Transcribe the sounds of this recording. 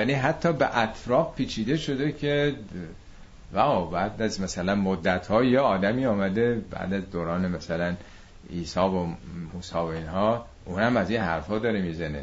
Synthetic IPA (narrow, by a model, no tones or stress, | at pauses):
jaːniːɦæt̪ʰːɒːbeʔæt̪ʰɾɒːfpʰːiːt͡ʃʰiːd̪e̞ʃo̞d̪ekʰe | væobæːd̪æzmæsælænmod̪ːæt̪hɒːjɒɒːd̪æmiːɒːmæd̪ebæ̰ːd̪æzd̪oːɾɒːnemæsælæn | iːsɒːbomuːsɒːvoiːnɦɒː | ʔuːnhæmæzinhæɾfɒːd̪ɒːɾemiːzænḛ